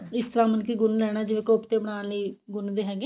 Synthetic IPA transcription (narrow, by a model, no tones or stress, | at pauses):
ɪst̪əɾaːmənkiːɡʊnlɛːɽ̃aːd͡ʒɪʋẽːkoːpt̪eːbəɽ̃aːliːɡʊnd̪eːɦɛːɡɛ̃ː